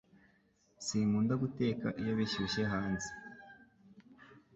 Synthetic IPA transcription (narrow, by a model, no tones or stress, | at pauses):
siːmuːndaɡute̞ːkaʔijoβiʃuɕe̞ɦaːnzi̥